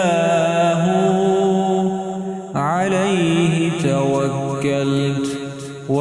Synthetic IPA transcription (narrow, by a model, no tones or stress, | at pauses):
aːɦʊ | ʕalajɦɪt̪awakːalt̪ | wa